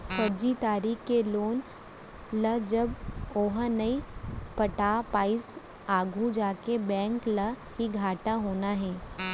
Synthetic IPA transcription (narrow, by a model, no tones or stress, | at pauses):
pɐd͡ʒit̪aːɾiːxkeloːn | ləd͡ʒɐboːɦnɐipɐʈapaːɪs | aːɡʱũd͡ʒaːkebɛ̃ːŋklə | hiɡʱaːʈaɦoːnaɦɛ̃ː